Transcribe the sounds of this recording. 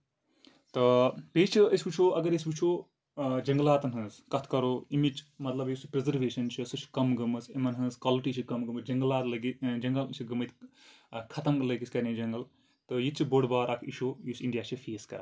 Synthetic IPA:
t̪ɨpeːt͡ʃʰiɐsʲbut͡ʃʰoːʔɐɡɐɾjis̬ʲbut͡ʃʰoː | d͡ʒɐŋɡlaːt̪ɐnɦɐnzkɐt̪ʰkɐɾoːimit͡ʃmɐt̪lɐbjispɾezɐɾʋeːʃɐnt͡ʃʰisɨt͡ʃʰkɐmɡɐmɨsɐmɐnɦɐ̃nzkaːliʈiːt͡ʃʰikɐmɡɐmɨsd͡ʒɐŋɡɐlaːt̪lɐɡid͡ʒɐŋɡɐlsʰiɡɐmɐt̪ | kʰɐt̪ɐŋɡlɐɡisʲkɐɾned͡ʒɐŋɡɐl | t̪ɨjit͡ʃʰiboɽbaːɾakʰiʃoːjisiɳɖijaːt͡ʃʰifeːskɐ̰ɾ

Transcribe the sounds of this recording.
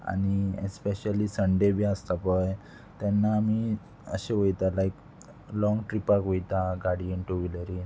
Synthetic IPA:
a̰niḛspeɕəlisəɳɖebiəst̪apəj | t̪janːaːmi | ə̰ɕeʋəjt̪alajk | lɔ̃ŋɡʈɾipakʋojt̪aɡaɽieɳʈoʋiləɾin

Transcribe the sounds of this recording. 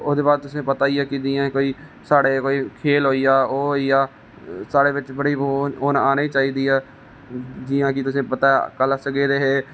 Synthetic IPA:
od̪eːbaːd̪̚t̪ʊsẽːpət̪aːiːaːkɪd͡ʒiːãːkoːiː | saːɽeːkoːiːkʰeːlɦoːiːjaːoːɦoiːaː | saːɽeːbɪt͡ʃbəɽiːboːoːnaːneːt͡ʃaːiːd̪iːaː | d͡ʒɪːjãːkɪt̪ʊsẽːpət̪aːkəlsəɡeːɾeːɦeː

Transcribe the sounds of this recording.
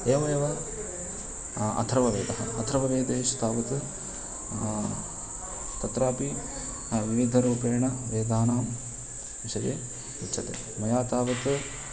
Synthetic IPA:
eːʋɐjɐʋɐ | ɐ̰t̪ʰɾɐʋɐʋeːd̪ɐɦɐɐ̰t̪ʰɐɾɐʋɐʋeːd̪eːʃɐ̥t̪aːʋɐt̪ɨ | t̪ɐt̪ɾaːpi | ʋiʋid̪ʱɐɾuːpeːɳɐʋeːd̪ʱaːnaːm | ʋiʃɐjeː | utːt͡ʃʰːɐt̪ḛː | mɐjaːt̪aːʋɐt̪ɨ

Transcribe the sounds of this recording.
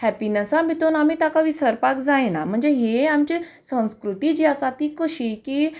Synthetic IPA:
hɛpinəsãbʱit̪onam̤iːt̪jakaʋisəɾpakd͡zajenam̤əɳd͡zeɦeamt͡ɕisə̃w̃skɾut̪it͡ɕiːasat̪iːkoɕikiː

